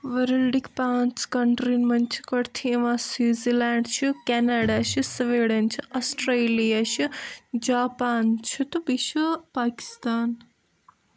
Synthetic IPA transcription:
ʋɐɾɐlɖikpaːt͡skɐɳʈɾinmɐnt͡ʃʰi̥kɐɽt̪ʰiɐʋãsiːzilaːɳɖt͡ʃʰukɛːnaːɖaːʃusʋeːɽɐnt͡ʃʰiɐsʈɾeːliaʃud͡ʒaːpaːnt͡ʃʰut̪ubiʃupaːki̥st̪aːn

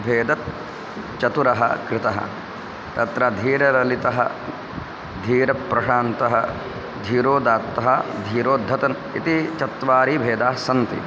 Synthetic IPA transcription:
bʱeːd̪ɐt̪̚ | t͡ʃɐt̪uɾɐɦɐ̰kɾɪt̪ɐɦɐ̰ | t̪ɐt̪ɾɐd̪ʱiːɾɐɾɐlit̪ɐɦɐ | d̪ʱiːɾɐpːɾɐʃaːnt̪ɐɦɐ | d̪ʱiːɾoːd̪aːt̪ːɐɦɐd̪ʱiːɾoːd̪ʱːɐt̪ɐn | it̪it͡ʃɐt̪ʋaːɾiːbʱeːd̪aːɦsɐnt̪ḭ

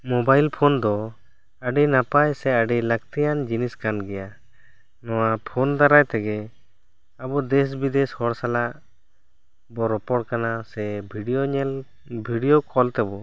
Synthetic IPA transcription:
mɔbajlpʰɔnd̪ɔ | əɖinapajsɛəɖilək̚t̪ijand͡ʒiniskanɡɛja | nɔwapʰɔnd̪aɾajt̪ɛɡɛ | abɔd̪ɛs̬bid̪ɛshɔɽsalaʔ | bɔɾɔpɔɽkanasɛbʱiɖijoɲɛl | bʱiɖijɔkʰɔlt̪ɛbɔ

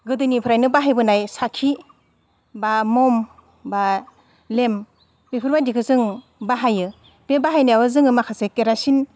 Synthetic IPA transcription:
ɡɯdɯnipʰɾajnɯbaɦajbɯnajsakʰi | bamɔm | ba | lem | bepʰɯɾbadikʰɯzɯŋ | baɦajɯ | b̥ebaɦajnajawɯzɯŋɯmakʰasekeɾasin

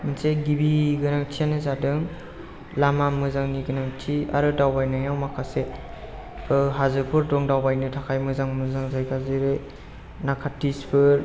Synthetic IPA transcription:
mɯnseɡibiɡɯnaŋtʰianɯzadɯŋ | lamamɯzaŋniɡɯnaŋtʰia̰ɾɯdawbajnajawmakʰase | ɯɦazɯpʰɯɾdɔŋdawbajnɯtʰakʰajmɯzaŋmɯzaŋzajkʰazɯɾɯ | nakʰatːispʰɯɾ

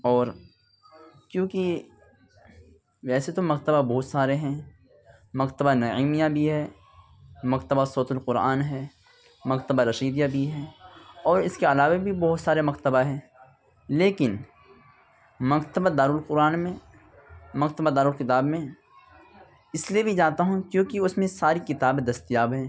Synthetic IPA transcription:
ɔːɾ | kjõːki | ʋɛːset̪omɐqt̪əbabɔɦːʊt̪saːɾeɦɛ̃ | mɐqt̪əbanɐiːmijabʱiɦɛː | mɐkt̪əbasoːt̪ʊlqʊɾa̰ːnɦɛː | mɐqt̪əbaɾɐʃiːd̪jabʱiɦɛːɔːɾɪskeɐlaːʋabʱibɔɦʊt̪saːɾemɐqt̪əbaɦɛ̃ː | leːkɪn | mɐqt̪əbad̪aːɾuːlqʊɾaːnmẽ | mɐkt̪əbad̪aːɾuːlkɪt̪aːbmẽ | ɪsliebʱid͡ʒaːt̪aɦũkjõːkiʊsmẽsaːɾikɪt̪aːbed̪ɐst̪ijaːbɦɛ̃ː

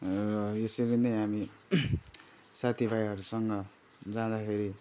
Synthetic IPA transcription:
rʌesiɾinʌjɦami | sat̪ʰibʱajɦʌɾusʌŋɡʌ | d͡zãd̪akʰeɾi

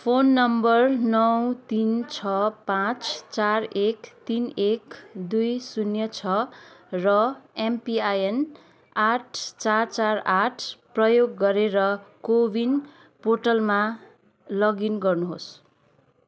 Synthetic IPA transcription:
pʰonːʌmbʌrnʌwt̪int͡sʰʌpãt͡st͡sarekt̪inekd̪ujsunjʌt͡sʰʌrʌempiajen | aʈʰt͡sart͡saraʈʰprʌjoɡːʌɾeɾʌkobin | poʈʌlma | lʌɡinɡʌrnuɦos

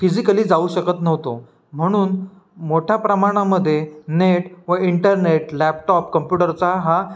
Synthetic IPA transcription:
fid͡ʑikəliːd͡zauɕəkət̪nəʋt̪o̰ | m̤əɽ̃uːn | moʈʰjapɾəmaɽ̃aməd̪ʱːjeneʈʋəiɳʈəɾneʈlæpʈɔp̚kəmpjuʈəɾt͡saɦa

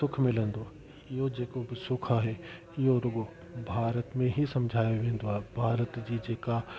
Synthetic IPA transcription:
sʊkʰmɪlə̃nd̪oː | ɪɦod͡ʒeːkobɪsʊkʰaɦɛ | ɪoɾʊɡo | bʱaːɾət̪mẽɦisɐmd͡ʒʱaːjoʋẽːn̆d̪oaːbʱaːɾət̪d͡ʒid͡ʒeːka

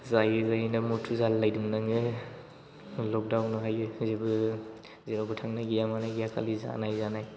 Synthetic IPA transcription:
zajɯzajnamutʰuzalːajduŋnaŋɯ | lɔk̚dawnɔɦajɯzebɯ | zeɾabɯtʰaŋnaɡijamanaɡijakʰa̰liza̰najzanaj

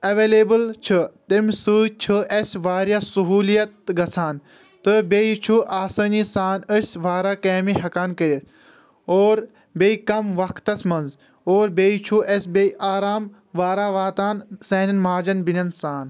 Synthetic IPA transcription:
ɐʋeːleːbəlt͡ʃʰɨt̪emʲsɨːt͡ʃʰɨʔɐsʲʋaːɾjasuɦuːlijɐt̪ɡɐt͡sʰaːn | t̪ɨbejit͡ʃʰuʔaːsəːnisaːnəsʲʋaːɾaːkeːmiɦɐkaːnkəɾet̪ | oːɾ | beikɐmʋɐkʰt̪ɐsʲmɐnz | oːɾbeːit͡ʃʰuʔɐsʲbeʔaːɾaːm | ʋaːɾaːʋaːt̪aːnseːnɐnmaːd͡ʒɐnbinʲɐnsaːn

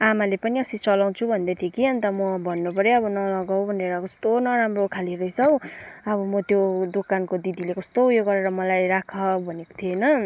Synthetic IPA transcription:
amalepʌniʌsit͡sʌlaw̃t͡sʰubʱʌnd̪at̪ʰjekiʌnt̪ʌmʌbʱʌnːupʌɾiʌbʌnʌlʌɡaw̃bʱʌneɾʌkʌst̪onʌɾamrokʰaliɾʌjsʰʌwʌbʌmʌt̪jod̪okankod̪id̪ilekʌst̪oujoɡʌɾeɾʌmʌlajɾakʰʌbʱʌneko̥t̪ʰionʌ

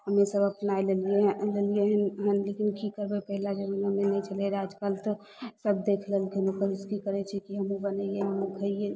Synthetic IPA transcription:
ɦəmesəbəpnaːilelieɦlelieɦəɦənlekinkikəɾbepɛɦlad͡ʒəbnɦəmenɛ̃t͡ʃəleɾaːd͡ʒkalt̪o | səb̚d̪eːkʰləlkenokəɾɪskikəɾet͡ʃʰɛkiɦəmũbənəieɦmõɡʰʱəie

